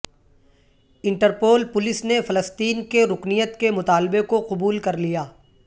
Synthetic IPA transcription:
ɪ̃ɳʈəɾpoːlpʊlɪsnefɐləst̪iːnkeɾʊknijət̪kemʊt̪aːlɪbekoqʊbuːlkɐɾlijaː

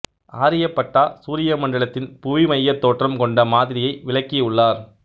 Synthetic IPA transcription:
aːɾɪjɐpːɐʈːaːsuːɾɪjɐmɐɳɖɐɭɐt̪ːɪnpʊʋimɐjːɐt̪ːoːʈrɐmkɔɳɖɐmaːðɪɾɪjɐɪʋɪɭɐkːɪʊɭːaːɾ

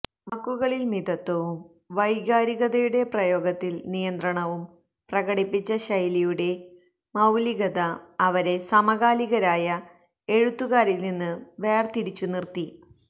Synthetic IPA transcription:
mɐkːuɣɐɭilmiðɐt̪ːɐʋum | ʋɐjɡaːɾiɣɐðɐjuɽe̞prɐjo̞ːɡɐt̪ːilnijɐnd̪rɐɳɐʋum | prɐɣɐɽipːit͡ɕːɐɕɐjlijuɽe̞ | mɐwliɣɐðɐːʋɐɾe̞sɐmɐɣaːliɣɐɾaːjɐ | eɻut̪ːuɣaːɾilninːɨʋe̞ːrt̪iɾit͡ɕːunirt̪i

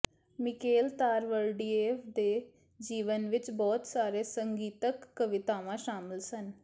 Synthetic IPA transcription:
mɪkeːlt̪aːɾʋəlɖiːeːpʰd̪eː | d͡ʒiːʋənʋɪt͡ʃbɔːt̪saːɾeːsəŋɡiːt̪əkːəʋɪt̪aːʋãːʃaːmɪlsən

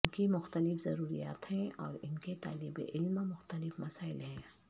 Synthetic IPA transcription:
nkimʊxt̪əlɪfzɐɾuːɾḭja̰ːt̪ɦɛ̃ʔɔːɾɪnket̪a̰ːlɪbḛʔɪlmmʊxt̪əlɪfmɐsaːɪlɦɛ̃ː

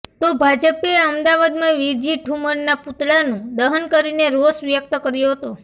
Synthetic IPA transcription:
t̪obʱad͡ʒəpeəmd̪aʋad̪maʋid͡ʒiʈʰuməɳːaput̪ɭanũd̪əɦənkəɾineɾosʋjək̚t̪əkəɾjoɦət̪o

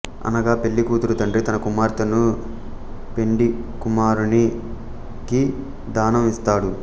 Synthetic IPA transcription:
ɐ̰nɐɡaːpe̞lːikuːt̪uɾut̪ɐɳɖɾit̪ɐnɐkumaːɾt̪ɐnu | pe̞ɳɖikumaːɾuni | ki | d̪aːnɐmist̪aːɽu

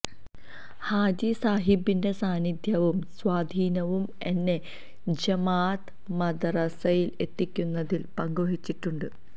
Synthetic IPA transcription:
haːd͡ʑisaːɦibːinde̞saːnid̪ʱjɐʋumsʋaːd̪ʱiːnɐʋum | e̞nːe̞ | d͡ʑɐmaːt̪ | mɐd̪ɐrɐsɐjile̞t̪ːikʲːunːɐðilpɐŋɡoɦit͡ɕːiʈːuɳɖɨ

